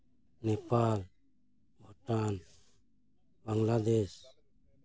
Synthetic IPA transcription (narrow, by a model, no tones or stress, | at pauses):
nɛpal | bʱɔʈan | baŋlad̪es